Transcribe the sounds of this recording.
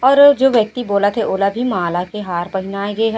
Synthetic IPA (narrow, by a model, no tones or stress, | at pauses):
ɔːɾd͡ʒoːʋjɐk̚t̪iboːlat̪ʰɛʔoːlabʱimaːlakeɦaːɾpɐɦɪnaːeɡɐeɦɛ